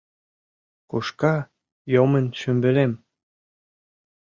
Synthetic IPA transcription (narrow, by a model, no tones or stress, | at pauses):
kuʃkɑ | jomənʃymbɘ̆lem